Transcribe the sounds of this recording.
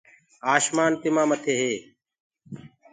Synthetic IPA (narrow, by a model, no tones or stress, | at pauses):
aːʃmaːnt̪ɪmãːmət̪ʰeːɦeː